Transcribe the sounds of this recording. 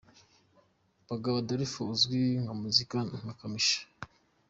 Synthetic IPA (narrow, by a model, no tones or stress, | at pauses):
baɡaβadaɾifuzɡiŋɡamuzikanakamiʃḁ